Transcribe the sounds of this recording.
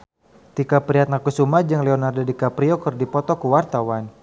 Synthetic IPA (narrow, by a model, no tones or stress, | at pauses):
t̪ikapɾiɦat̪̚nakusumad͡ʒaŋlɛɔnardodikapɾiokɨrdipɔt̪ɔkuwart̪awan